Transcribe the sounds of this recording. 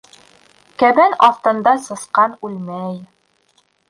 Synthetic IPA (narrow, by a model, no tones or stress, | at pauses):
kæbænɑft̪ɤ̆nd̪ɑsɤ̆sqɑnʉlmæj